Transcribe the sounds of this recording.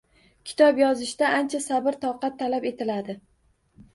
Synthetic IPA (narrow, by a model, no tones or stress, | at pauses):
kʲʰɪ̥t̪ʰɒpjɒzɪʃd̪aʔant͡ʃʰasabɪɾt̪ʰɒwqɑt̪ʰːalape̞t̪ʰɪlad̪ɪ